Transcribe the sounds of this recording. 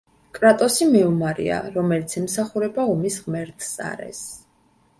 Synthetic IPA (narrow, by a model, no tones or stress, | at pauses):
kʼɾat̪ʼɔsimiumaɾḭa̰ɾɔmɛlit̪sʰɛmsaχuɾɛbaɔmisʁmɛɾt̪ʰsa̰ɾɛ̰s